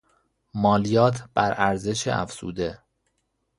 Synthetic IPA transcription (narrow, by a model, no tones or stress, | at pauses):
mɒːlijɒːt̪ʰb̥æɾæɾze̞ʃḛʔæ̰fz̥ṵːd̪e̞